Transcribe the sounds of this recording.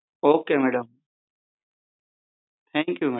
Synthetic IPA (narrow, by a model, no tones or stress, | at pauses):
oːkeːmeːɖəm | t̪ʰɛ̃ːŋkjuːme